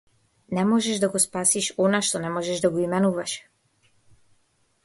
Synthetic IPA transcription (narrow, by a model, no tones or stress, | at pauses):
nɛmɔʒɛʒd̪aɡɔspasiʃɔnaʃt̪ɔnɛmɔʒɛʒd̪aɡɔimɛnuvaʃ